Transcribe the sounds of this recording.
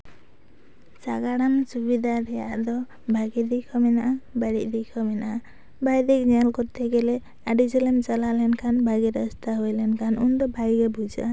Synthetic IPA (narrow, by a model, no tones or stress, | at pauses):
t͡ʃa̰ɡaɽansubid̪ʱaɾɛjaʔd̪ɔ | bʱaɡid̪ikʰɔmɛnaʔabaɽḭʔd̪ikʰɔminaʔa | bʱajd̪ikɲalkɔɾt̪ʰeɡɛlɛ | aɖid͡ʒɔlemt͡ʃalalɛnkʰanbʱaɡiɾəst̪ʰaɦojlɛnkʰanʔund̪ɔbʱaɡɡebud͡ʒa̰